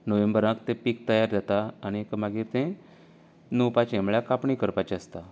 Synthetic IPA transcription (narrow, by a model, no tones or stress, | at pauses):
nəʋẽmbəɾãkt̪ẽpik̚t̪əjaɾdat̪aːñiekmaɡiːɾt̪ẽ | nowpat͡ɕẽmɭjakapɳikəɾpat͡ɕeəst̪a